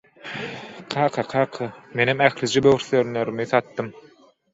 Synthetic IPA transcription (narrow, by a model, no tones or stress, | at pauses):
qʰɑːqʰɑqʰɑːqʰɯmenemæxlid͡ʒibøɣɾθøɾnøɾymiθɑt̪ːɯm